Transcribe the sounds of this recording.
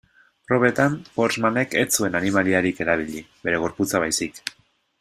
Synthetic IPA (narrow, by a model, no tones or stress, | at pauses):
roβe̞t̪ampo̞ɾzmane̞ke̞t͡sue̞nanimaliaɾike̞ɾaβ̞iʎibe̞ɾe̞ɣ̞o̞ɾput͡saβajsik